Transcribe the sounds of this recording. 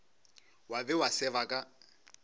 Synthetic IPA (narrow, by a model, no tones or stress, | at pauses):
wabɛwasɛβakʼa